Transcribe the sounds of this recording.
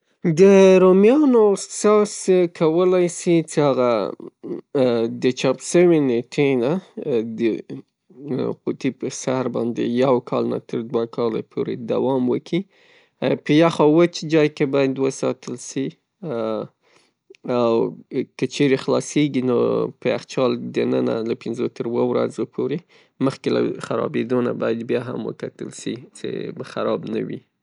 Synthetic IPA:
d̪əɾomjɑnosɑskʰawəlajsit͡sehaɣa | d̪ət͡ʃɑpʃəweneʈʰenad̪ə | qut̪ipəsahɾbɑ̰nd̪ḛjawkʰɑlna̰t̪ʰəɾd̪wakʰɑla̰pʰoɾḛd̪a̰wɑmwəkʰi | pəjaxɑwət͡ʃd͡ʒɑjkebɑjad̪wəsɑt̪əlsi | awkət͡ʃeɾexlɑseɡinopəaxt͡ʃɑld̪ənəna̰lapɪnzot̪əɾwəwɾa̰zopʰoɾe | məxkela̰xaɾɑ̰bed̪ona̰bɑjad̪bjɑɦa̰mwə̰kat̪əlʃit͡sḛbaxaɾɑbna̰wḭ

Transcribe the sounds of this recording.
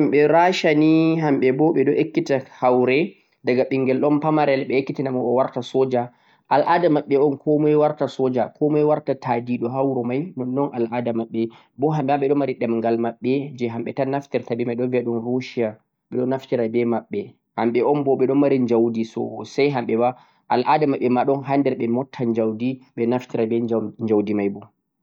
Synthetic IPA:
amɓɛɾaʃaniɦamɓɛbɔɓɛɗɔʔekːitahawɾɛ | daɡaɓiŋɡɛlɗɔnpamaɾɛlɓɛekːitinamɔɔwaɾtasɔd͡ʒa | ʔalʔadamaɓːɛɔnkʰomuɛwaɾtasɔd͡ʒakʰomuɛwaɾtatadiɗɔɦawɾɔmajnɔnːɔnʔalʔadamaɓːɛ | bɔɦamɓɛaɓɛɗɔmaɾiɗɛmŋɡalmaɓːɛd͡ʒɛɦamɓɛtanaftɛɾtabɛmajɗɔnviaɗɔnɾoʃia | ɓɛɗɔnːaftiɾabɛmaɓːɛ | hamɓɛɔnbɔɓɛɗɔnmaɾiɲd͡ʒawdisɔ̰sajɦamɓɛwa | ʔalʔadamaɓːɛmaɗɔnɦandɛɾɓɛmɔtʰːaɲd͡ʒawdiɓɛnaftiɾabɛɲd͡ʒawdimajbɔ

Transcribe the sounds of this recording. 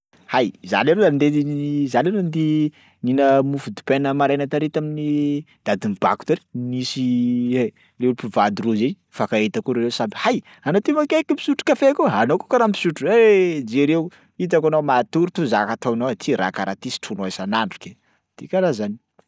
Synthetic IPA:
hajza̰leɾeand̪eizaleɾend̪i | ninəmufud̪u̥penəmaɾejnat̪aɾet̪amini | d̪̥ad̪imib̥a̰ku̥t̪aɾi̥nisie | leupivad̪uruzenifakaet̪akuɾeɾesabihaj | anot̪imakekimpi̥suʈ͡ʂu̥kafeakuanokokaɾampi̥suʈ͡ʂued͡ʒeɾe | it̪̬akanamat̪uɾut̪uzakat̪awnowet̪ʰiɾa̰kaɾat̪isi̥ʈ͡ʂʰunoesanaɳɖ͡ʐu̥ke | d̪̥ikaɾazani̥

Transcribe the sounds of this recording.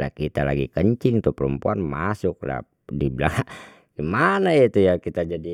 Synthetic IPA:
la̰kit̪ala̰ɡikəɲt͡ʃiŋt̪upəɾəmpuanmasuk̚la̰ | dibilaŋa | ɡ̥imanait̪ujakit̪ad͡ʒadi

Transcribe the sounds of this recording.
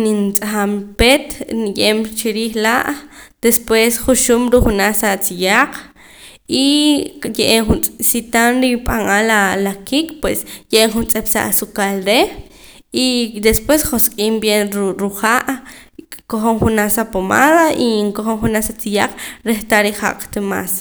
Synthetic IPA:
nint͡sʼaχampet̪nijʼemt͡ʃiɾiːχlaʔd̪̥espwesχuʃumɾuχunasat͡sijaq͡χ | ijeʔeŋχunt͡sʼsit̪anɾipʼaŋalalakikpwesjeʔeŋχunt͡sʼepsa̰ʔsukalɾe | id̪espwesχoskʼiːmbjenɾuχaʔ | koχoɴχunasapomaðaiŋkoχoɴχunasat͡sijaq͡χɾeχt̪aɾiχa̰qt̪ema̰s

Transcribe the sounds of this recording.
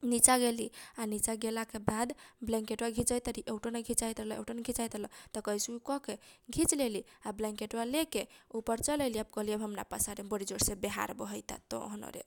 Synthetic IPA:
nit͡ʃaɡelianit͡ʃaɡelakebad̪blɛ̃ŋkeʈwaɡʱit͡ʃəjt̪əɾiʔeʊʈoneɡʱit͡ʃaijt̪ɾəɦlɔḛwʈɔneɡʱit͡ʃajt̪lɔt̪ɔkəisukɔkeɡʱit͡ʃleliablɛ̃ŋkeʈwalekeupəɾt͡ʃələliab̚kɔɦliəbɦəmna̰pasaɾebəɽid͡ʒoɾsebeɦa̰ɾbɔɦəjt̪a̰t̪ɔ̰ɦnɔ̰ɾḛ

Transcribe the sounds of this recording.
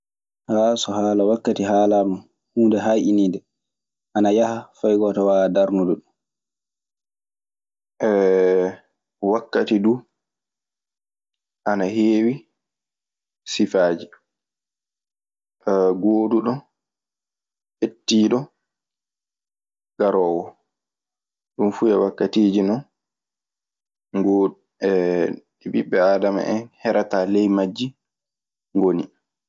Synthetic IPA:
hasɔhaːlawakːatiɦaːlaɾnu | huːndɛɦajʔinidɛ | ʔanajahafajɡɔtawaːdaɾnuduɗun | ʔɛ | wakːatidu | ʔanaheːwi | sifaːd͡ʒi | ɡoːduɗɔn | ʔetːiːɗɔ | ɡ̥aɾɔːwɔ | ɗumfujawakːatiːd͡ʒinɔn | ŋɡo | ɛ | ɛbiɓːɛaːdama̰ʔɛnhɛɾataːlɛjmad͡ʒːi | ŋɡoni

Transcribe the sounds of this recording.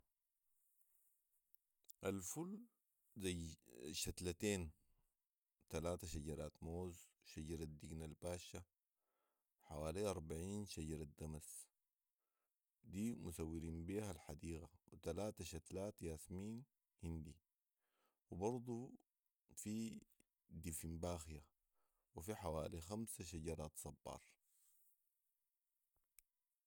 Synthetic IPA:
ʔalful | zajʃat̪lat̪eːn | t̪alaːt̪aʃaɟɑɾˤaːt̪moːz | ʃaɟɑɾˤad̪iɡnalbaːʃːa | ħawaːliɑɾˤbaʕiːnʃaɟɑɾˤad̪amas | d̪iːmusawːiɾiːnbiːhalħad̪iːɣawit̪alaːt̪aʃat̪laːt̪jaːsmiːn | hind̪i | wibɑɾˤd̪ˤu | fi | d̪ifimbaːxja | wifiħawaːlixamsaʃ̬aɟɑɾˤɑːt̪sˤɑbːɑ̰ːɾˤ

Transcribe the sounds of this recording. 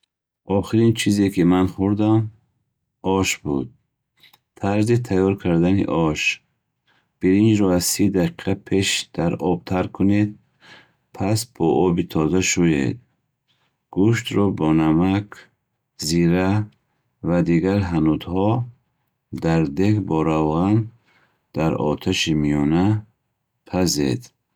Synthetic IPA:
ʔɔχiɾint͡ʃʰizekimanχuɾd̪am | ɔʃbṵd̪̚ | t̪ʰaɾzit̪ʰajɔɾkʰaɾd̪anḭʔɔʃ | b̥iɾind͡ʒɾɔazsid̪aqʰiqʰapʰe̞ʃd̪̥aɾɔb̚t̪ʰaɾkʰːuned̪̚ | pʰasb̥ɔʔɔbit̪ʰɔzaʃujḛd̪̚ | ɡ̥uʃt̪ɾɔbɔnamakʰ | ziɾa | vad̪iɡaɾɦanud̪hɔ | d̪aɾd̪ekbɔɾavʁan | d̪̥aɾɔ̰t̪ʰaʃimijɔna | pʰazḛd̪

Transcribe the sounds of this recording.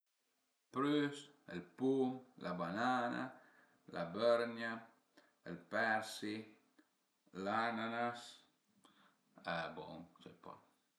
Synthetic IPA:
pɾys | əlpulʔabanana̰ | lʔabɛɾnja | əlpɛɾsi | lananas | abɔŋsɛpa̰

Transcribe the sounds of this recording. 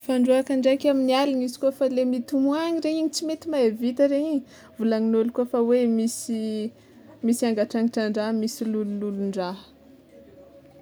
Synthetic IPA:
faɳɖ͡ʐuakaɳɖ͡ʐakʲaminialinizi̥kuəfalemit̪umuaɲiɾeiɲit͡simet̪imaevit̪əɾeɲiɲ | vulaŋinolkuəfawemisi | misiaŋɡaʈ͡ʂaŋiʈ͡ʂaɳɖ͡ʐamisilulululuɳɖ͡ʐa

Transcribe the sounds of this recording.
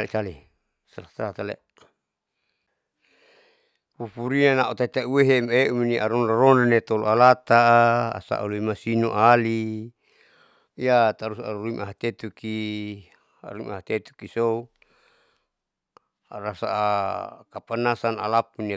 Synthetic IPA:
lit͡ʃali | saat̪alat̪alḛ | pupuɾinanaʔut̪at̪auweɦemeuminiʔaɾɔnraɾɔnanet̪olo̰alat̪aa̰sa̰ʔṵluimasinuʔali | jat̪aɾusa̰ɾuɾuimʔa̰ɦat̪et̪uki | a̰ɾumaɦat̪et̪u̥kisou | aɾasa̰ʔakapanasana̰lapune

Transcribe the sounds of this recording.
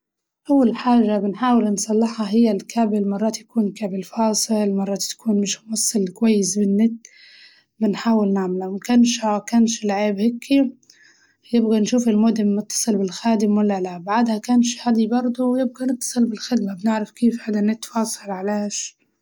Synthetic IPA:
ʔawːalħaːʒabɪnħaːwɪlnsˤɑlːɑħɑɦɪjːalkaːbɪlmɑrˤːɑːt̪jḁkuːnkaːbɪlfɑːsˤɨlmɑrˤːɑːt̪ːḁkʰuːnmɪʃmwɑsˤːɨlkwajːɪsbɪnːɪt̪̚ː | bɪnħaːwɪlnaʕmɪlawmakanʃakanʃlʕeːbhɪkʰːi | jɪbɣanʃuːfɪlmoːd̪ɪmʊt̪ːɑ̥sˤɨlbɪlxaːd̪ɪmwalːalabaʕd̪hakaːnʃhad̪ibɑɾˤd̪ˤuwjɪb̚ɡanɨt̪ːɑ̥sˤɨlbɪlxɪd̪mabnɪʕɾafkeːfħad̪anɪt̪ːfɑːsˤɑlʕaleːʃ

